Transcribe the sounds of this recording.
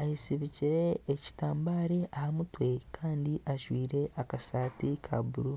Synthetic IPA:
ajisiβiciɾe̞ːci̥taːmbaːɾeʔahamutwe̞kʰaːndiʔaʒwiːɾe̞ʔakasaːtikʰa̰buɾu

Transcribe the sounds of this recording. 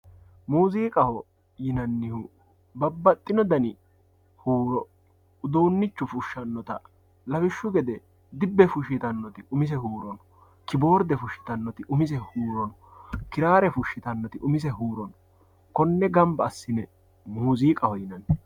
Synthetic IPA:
muːziːkʼɐhɔ | jɪnɐnːɪhʊ | bɐbːɐt̪ʼːɪnɔd̪ɐnɪ | huːɾɔ | ʊd̪oːnːɪt͡ʃːʊfʊʃːɐnːɔt̪ɐ̰ | lɐbɪʃːʊɡɛd̪ɛ | d̪ɪbːɛfʊʃ̬ɪt̪ɐnːɔt̪ɪʔʊmɪs̬ɛhuːɾɔnɔ̥ | kɪbo̞ːɾd̪ɛfʊʃːɪ̥t̪ɐnːɔt̪ɪʔʊmɪsɛhuːɾɔnɔkɪɾaːɾɛfʊʃːɪt̪ɐnːɔt̪ɪʔʊmɪsɛɦuːɾɔnɔ | kɔnːɛɡɐmbɐːsːɪnɛ | muːziːkʼɐhɔjɪnɐnː

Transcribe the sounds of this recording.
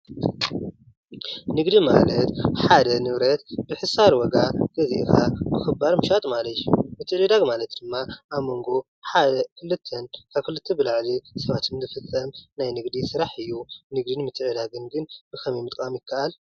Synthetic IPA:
nɨɡd̪ima̰lɐt̪ħad̪ɐnɨβɾɐt̪bɨħɨsaɾwɔɡaɡ̥ɐzḭʔkʰabɨxɨbːaɾmɨʃat̪ʼmalɐt̪jumɨt̪ʰːɨɾid̪aɡmalɐt̪̚d̪̥ɨmːaʔaβmo̞ŋɡo̞ | ħad̪ɐkʰɨlːɨt̪ʰːɐnkʰaβkʰɨlɨt̪ʰːɐbɨlaʕlisɐβat̪ʰɨmzɨfɨt͡sʼːɐmnajnɨɡd̪isɨɾaħɨjːunɨɡd̪inmɨt̪ʰʼɨʕɨd̪aɡɨnɡɨnb̥ɨkʰɐmimɨt̪ʼkʼamjɪkʰːɐʔal

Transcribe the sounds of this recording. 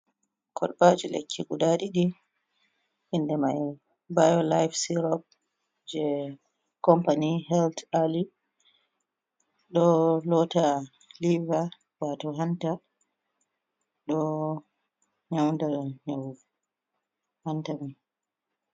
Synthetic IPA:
kʰɔɗbad͡ʒulḛkʰːiɡuɗaɗiɗi | ʔindɛmaj | bajɔlajfsiɾɔp̚ | d͡ʒɛ | kɔmpanihɛltali | ɗɔlɔta | liva | watɔɦanta | ɗɔ | ɲawndaɲaw | hantamin

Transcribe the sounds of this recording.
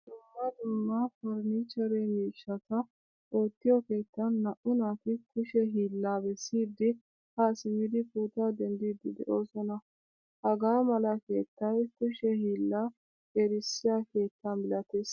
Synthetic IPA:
d̪ʊmːɐd̪ʊmːɐfɔɾnit͡ʃːɐɾemiːʃːɐt̪ɐ | ʔoːt̪ːɪjɔke̞ːt̪ːɐnːɐʔʊnaːfɪkʊʃɛɦiːlːaːbɛsːiːd̪ːɪ | hasɪmɪd̪ɪkuːt̪aːd̪ɛnd̪iːd̪ɪd̪ɛ̰ʔo̞ːsɔnɐ | hɐɡaːmɐlɐke̞ːt̪ːɐjkʊʃɛhiːlːaː | eːɾɪsːɪjaːke̞ːt̪ːɐnbɪlɐt̪eːs

